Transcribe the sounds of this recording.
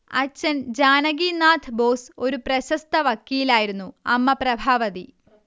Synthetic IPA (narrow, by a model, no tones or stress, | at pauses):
ɐ̰t͡ɕːɐnd͡ʑaːnɐɡiːnaːt̪ʰboːso̞ɾuprɐɕɐst̪ʰɐʋɐkːiːilaːjiɾunːuɐmːɐprɐbʱaːʋɐði